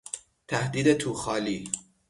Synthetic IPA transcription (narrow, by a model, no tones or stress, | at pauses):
t̪ʰæhd̪iːd̪et̪ʰuːxɒːliː